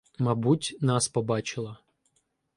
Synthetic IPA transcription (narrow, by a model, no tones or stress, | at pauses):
mɐbutʲnɑspɔbɑt͡ʃɪlˠɐ